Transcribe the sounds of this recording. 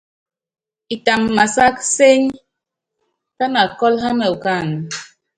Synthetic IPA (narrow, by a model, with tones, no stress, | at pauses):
i˨ta˨mːa˨sa˦kse˦ɲ | ta˦na˨kɔ˦lɦa˦mɛ˨u˨ka˦˨n˨